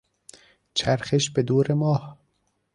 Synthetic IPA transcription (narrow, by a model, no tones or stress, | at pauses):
t͡ʃʰæɾxeʃbed̪uːɾemɒːh